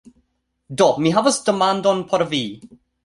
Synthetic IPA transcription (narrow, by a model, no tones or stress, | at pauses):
dɔmiɦavəsd̥əmãndɔ̃npʰɔɾvi